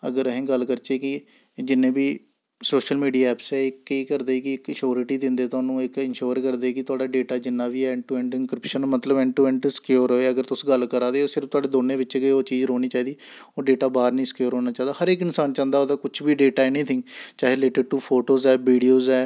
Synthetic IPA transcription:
ə̰ɡəɾəɦẽːɡəlkəɾt͡ʃeːkɪ | d͡ʒɪnːẽːbiː | soːʃəlmiːɖijaːɛːpsɛːɪkːiːkəɾd̪eːkɪɪkʃoːɾɪʈiːd̪ɪ̃nd̪eːt̪ʊaːnũːɪkɪnʃoːɾkəɾd̪eːkɪt̪ʊaːɖaːɖeːʈaːd͡ʒɪnːãːʋiːɛɳʈuːɛ̃ːɳʈɪŋkɾɪpʃənmət̪ləbɛ̃ːɳʈuːɛ̃ɳʈskjoːɾɦoːeəɡəɾt̪ʊsɡəlkəɾaːd̪eːoːsɪɾəft̪ʊaːɖeːd̪oːnẽːʋɪt͡ʃɡeoːt͡ʃiːd͡ʒɾoːɽ̃iːt͡ʃaːiːd̪iːoːɖeːʈaːbaːɾnĩːskjoːɾɦoːnaːt͡ʃaːiːd̪aːɦəɾeːkɪnsaːnt͡ʃãːnd̪aːoːd̪aːkʊt͡ʃʰbiːɖeːʈaːeːniːt̪ʰɪ̃ŋɡt͡ʃaːɦeːleːʈəɖ̚ʈuːpʰoːʈoːzɛːbiːɖioːzɛː

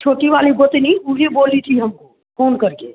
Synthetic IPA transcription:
t͡ʃʰoːʈiʋaliɡot̪niud͡ʒeboːlit͡ʃʰiɦəmko | koːnkəɾke

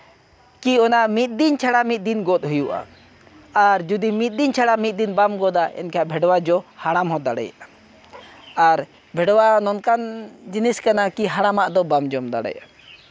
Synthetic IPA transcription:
kiɔnamit̪̚ˀd̪iɲt͡ʃʰaɽamit̪̚d̪inɡɔt̪̚ɦujuʔa̰ | aɾd͡ʒud̪imit̪̚ˀd̪iɲt͡ʃʰaɽamit̪̚d̪inbamɡɔt̪aɛ̰nkɛjaʔbʱɛɖwad͡ʒɔhaɽamɦɔd̪aɽɛ̰jʔa | aɾ | bʱɛɖwanɔnkand͡ʒiniskanakiɦaɽamaʔd̪ɔbamd͡ʒɔmd̪a̰ɽɛ̰jʔa

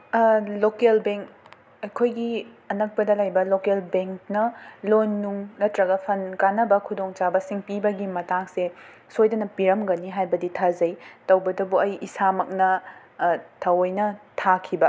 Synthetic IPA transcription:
lokelbeŋk | ɐjkʰojɡi | ɐnɐk̚pɐdɐlajbɐlokelbeŋk̚nɐlonːuŋnɐtɾɐɡɐpʰɐnkanɐbɐkʰudoŋt͡ʃabɐsiŋpibɐɡimɐtaŋse | sojdɐnɐpiɾɐmɡɐniɦajbɐditʰazɐjtɐwbɐdɐbuɐjisamɐk̚nɐ | tʰɐwojnɐtʰakʰibɐ

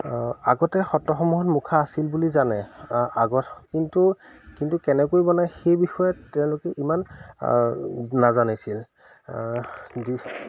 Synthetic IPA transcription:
a̰ɡɔtɛxɔtɔxɔmɔɦɔnmukʰaːsilbulizanɛaɡɔtkintu | kintukɛnɛkojbɔnajxejbixɔjɛtɛʊ̃lʊkɛʔiman | azanajsil | di

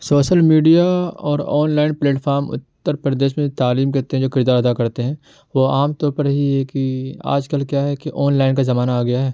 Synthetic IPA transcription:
soːʃəlmiːɖijaɔːɾɔːnlaːɪnpleːʈpʰaːɾmʊ̰t̪ːəɾpɾəd̪eːʃmẽt̪aːliːmkɐɾt̪eɦɛ̃d͡ʒoːkɪɾd̪aːɾɐd̪akɐɾt̪eɦɛ̃ː | ʋoːaːmt̪ɔːɾpɐɾɦiɦɛkia̰ːd͡ʒkəlkjaːɦɛkiʔɔːnlaːɪnkazɐmaːnaːɡɐjaɦɛː

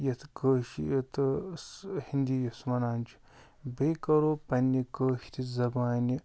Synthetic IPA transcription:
jɐt̪ʰkəːʃt̪ʰshind̪iːjusmɐnaːnʲd͡ʒi̥ | bejkɐɾoːpɐnʲːikəːʃt̪izɐbaːnʲi

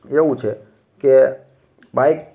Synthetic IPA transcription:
jeɦut͡ʃʰe | ke | baik̚

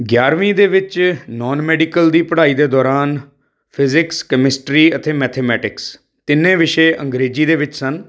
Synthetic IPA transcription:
ɡjaːɾʋĩːd̪eːʋɪt͡ʃnɔːnmɛːɖikəld̪iːpəɽaːiːd̪eːd̪ɔːɾaːn | pʰɪzɪkskɛmɪsʈɾiːət̪ʰeːmɛːt̪ʰeːmɛːʈɪks | t̪ɪnːẽːʋɪʃeːʔə̰̃ŋɡɾeːd͡ʒiːd̪eːʋɪt͡ʃsən

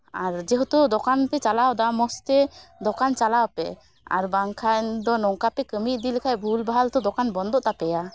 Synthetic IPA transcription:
aɾd͡ʒɛɦɔt̪ɔd̪ɔkanpɛt͡ʃalawd̪amɔst̪ɛd̪ɔkant͡ʃalawpɛ̰ | a̰ɾbaŋkʰand̪ɔnɔŋkapɛkəmiʔ̚d̪ilɛkʰajbʱulbaɦalt̪ɔd̪ɔkanbɔnd̪ɔʔt̪apɛja

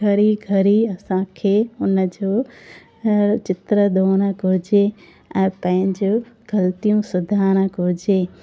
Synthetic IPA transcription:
ɡʱɐɾiɡʱɐɾiɐsãkʰeːʊnəd͡ʑoː | t͡ɕɪt̪ɾəd̪oːɽ̃əɡʱoːd͡ʑe | ɛ̃ːpɐ̃ɦɪ̃ɲd͡ʑʊɡɐlt̪ijũsʊd̪ʱaːɽ̃əɡʱoːd͡ʑeː

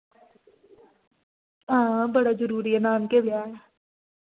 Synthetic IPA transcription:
ɦãːbəɽaːd͡ʒəɾuːɾiːeːnaːmkeʋeaːaː

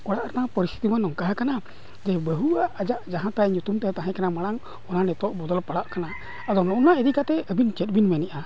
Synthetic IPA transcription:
kɔɽaʔɾɛt̪apɔɾist̪ʰit̪imanɔŋkaɦakana | d͡ʒɛbəɦuʔaʔːd͡ʒaʔd͡ʒaɦãt̪ajɲut̪umt̪ɛɦɛt̪ãɦɛ̃kanamaɽaŋ | ɔnanɛt̪ɔʔbɔd̪ɔlpaɽaʔkanaː | d̪ɔnɔʔnaɛd̪iʔkat̪ɛəbint͡ʃɛt̪̚ˀbinmɛnɛʔa

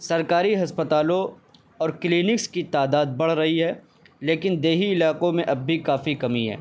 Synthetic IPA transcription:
sɐɾkaːɾiɦɐspət̪aːlõ | ɔːɾkliːnɪkskit̪aːd̪aːd̪̚bɐɽ̤ɾɐɦiɦɛ | leːkɪnd̪eːɦiɪlaːqõmẽʔɐbːikaːfikɐmiɦɛ̰ː

